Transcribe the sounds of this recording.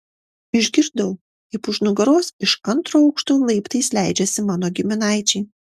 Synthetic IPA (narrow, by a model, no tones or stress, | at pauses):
ɪʒʲɡʲɪɾd̪ɐʊ | ɪpʊʒnʊɡɐɾoːsɪʃɐnt̪ɾoːɐʊkʃt̪uːlˠɐɪpt̪ɐɪslʲæˑɪd͡ʒʲɛsʲɪmɑːnoːɡʲɪmʲɪnɑˑɪt͡ʃʲɛɪ